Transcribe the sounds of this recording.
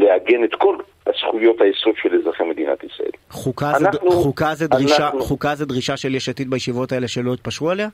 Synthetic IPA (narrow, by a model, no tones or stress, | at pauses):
leaɡenet̪ko̞l | hasχujo̞t̪hajesodʃelezʁaχemed̪ina̰t̪isʁa̰ʔḛlχukadχukazed̪ʁiʃaχukazed̪ʁiʃaʃeljeʃat̪it̪̚bajeʃivo̞t̪ae̞leʃelo̞it̪̚paʃualea